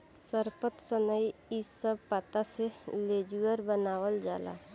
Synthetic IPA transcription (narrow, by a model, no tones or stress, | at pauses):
səɾpət̪sənəjɪsəb̚pət̪aseleːd͡ʒuəɾbənaːwəld͡ʒa̰ːla̰ː